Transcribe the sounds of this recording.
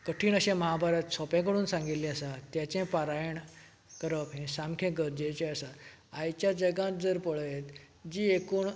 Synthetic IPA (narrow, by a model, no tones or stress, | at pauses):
kəʈʰiːɳəɕẽməɦabʱaɾat̪sɔpɛ̃kəɽuːnsãŋɡit̪liəsat̪jat͡ɕẽpaɾajəɳ | kəɾəpɦẽsãmkʰẽɡəɾd͡ʑet͡ɕẽəsaajt͡ɕjad͡ʑəɡãt̪̚d͡zəɾpəɭəjet̪ | d͡ʑiːekuːɳ